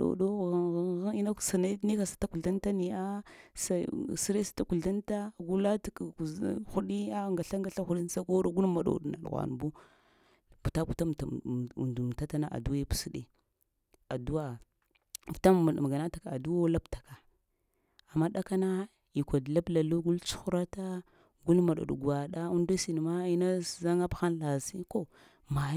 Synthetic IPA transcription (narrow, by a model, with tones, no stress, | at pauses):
o̰˨ɗo˦˨˦ɣi˦na˦˨sa˨na˦ni˦ka˨sḁ˨ta˦ku˨a˦nta˦ni˨a˦sa˨si˦ɾe˦sḁ˨ta˦ku˨la˦nta˦ɡu˦la˦tku˨˦xu˦ɗi˦a˦ŋɡa˨ɬa˦ŋɡa˨˦ɬa˦xu˦ɗi˦n˦sa˦ɡo˦ɾo˦ɡu˦n˦ma˨ɗo̰˨ɗo̰˦na̰˨lɣa̰˨n˨bu˦ | pu˨ta˦pu˨ta˦m̰˨ndu˨m˨ta˦ta˦na˦ʔa̰˨du˦wa˦pu̥˨su˦ɗe˦ | a˨du˦wa˦˨ | vu̥˨ta˦˨m˨ɡa˨na˦ta˨ka˨a˨du˦wo˦la˦btḁ˨ka˨ | a˨mːa˦ɗa˦ka˦na˦ | i˨kʷa˨dla˦bla˨lu˦ɡu˦lt͡ʃu̥˦xu˦ɾa˦ta˦ | ɡu˦lma˨ɗo̰˨ɗṵ˨ɡa˨ɗa˦u˦ndo˦si˨ni˨ma˦i˦na˦˨za˦ŋa˦bxa˦nla˨si˦ko˦ | ma˨˦